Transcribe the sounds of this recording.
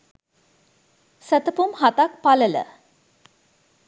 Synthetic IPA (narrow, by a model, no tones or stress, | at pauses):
sət̪əpumhat̪ak̚palələ̰